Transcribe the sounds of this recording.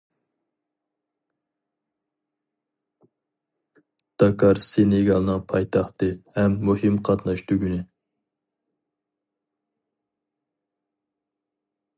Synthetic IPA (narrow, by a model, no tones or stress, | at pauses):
d̪̥ɑkʰɑɾsenɪɡʲɑlˠnɨŋpʰɑjt̪ʰɑχt̪ɨhɛmːuhɪmqʰɑt̪nɑʃd̪yɡʲynɪ